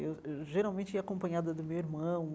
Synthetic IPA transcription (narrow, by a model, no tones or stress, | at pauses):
ewewʒeɾawmẽnt͡ʃɪiakõmpɐ̃ɲad̪ɐd̪ʊmewiɾmɐ̃ũ